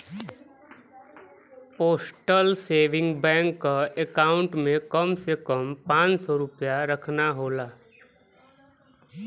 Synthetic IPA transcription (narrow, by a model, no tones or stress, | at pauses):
poːsʈəlseːʋɪ̃ŋɡbɛ̃ːŋkːaekaːʊ̃ɳʈmẽkəmsekəmpãːt͡ʃsɔɾʊpjaɾəkʰnaɦoːlaː